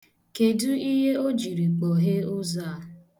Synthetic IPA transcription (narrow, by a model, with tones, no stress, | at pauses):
ke˨du˦i˦ɦe˦o˦d͡ʒi˨ɾi˨k͡po˨ɦe˦ʊ˦za˦˨